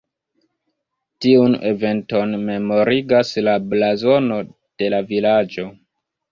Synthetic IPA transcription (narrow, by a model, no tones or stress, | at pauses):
tiune̞̰ve̞nto̞nme̞mo̞ɾiɡaslablazo̞no̞ | d̥e̞lavilad͡ʒo̞